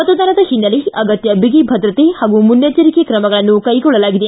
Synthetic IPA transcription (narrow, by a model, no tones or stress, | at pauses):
ɐt̪ɐd̪aːnɐd̪ɐhinːɐleɐɡɐt̪jɐbiɡibʱɐd̪ɾɐt̪ehaːɡumunjɐt͡ʃɐɾikekɾɐmɐɡɐɭɐnːukɐjɡɔɭːɐlaːɡid̪e